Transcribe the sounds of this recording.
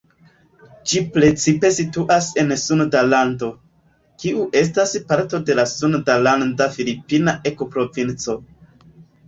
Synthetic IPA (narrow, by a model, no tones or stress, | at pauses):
d͡ʒipɾe̞t͡sipe̞situʔase̞nsundalando̞ | kiʔuʔe̞s̬taspaɾto̞de̞lasundalandafilipinaʔe̞kopɾo̞vint͡so̞